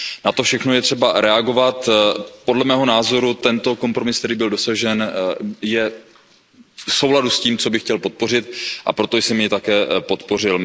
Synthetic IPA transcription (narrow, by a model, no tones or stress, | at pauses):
nat̪ofʃɛxno̞jɛt̪r̥ɛbaɾɛaɡo̞vat̪podlɛmɛːɦo̞naːzo̞ɾut̪ɛnt̪o̞ko̞mpɾo̞mɪsk̚t̪ɛɾiːbɪldosaʒɛnjɛ | so̞wladusciːmt͡so̞bɪxcɛlpo̞t̪̚po̞r̝ɪt̪ʔa̰pɾo̞t̪ojsɛmjɪt̪akɛːpo̞t̪po̞r̝ɪl